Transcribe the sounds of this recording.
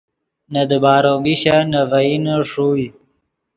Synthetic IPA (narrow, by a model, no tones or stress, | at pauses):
nad̪əbɑːɾoɡiɕanavainaʂu